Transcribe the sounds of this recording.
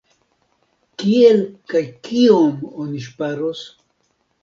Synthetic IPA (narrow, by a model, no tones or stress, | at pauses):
kielkajkiomoniʃpaɾos